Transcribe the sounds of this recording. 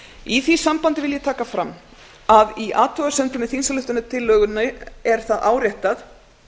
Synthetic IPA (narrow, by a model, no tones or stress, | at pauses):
iθisampant̪ɪvɪljɛt̪ʰaːkafɾam | aðiʔaːt̪ʰœɣasɛnt̪ɾʏmɪθinsalʏht̪ʏnat̪ʰɪlːœːɣʏnːʏɛɾ̥θaðaːwɾjaht̪aθ